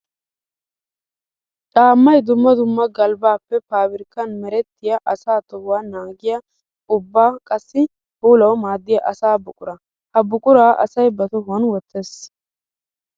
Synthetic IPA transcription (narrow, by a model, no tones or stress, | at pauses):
ᶑaːmːɐjd̪ʊmːɐd̪ʊmːɐɡɐlbaːpːɛpaːbɪɾkːɐnmɛɾɛt̪ːɪjɐʔɐsaːt̪ɔʊwaːnaːɡɪjɐ | ʊbːaːkʼɐsːɪ | huːlɐwmaːd̪ːɪjɐʔɐsaːbʊkʼʊɾɐ | hɐbʊkʼʊɾaːʔɐ̰sɐjbɐt̪ɔhʊwɐnwɔt̪ʰːeːs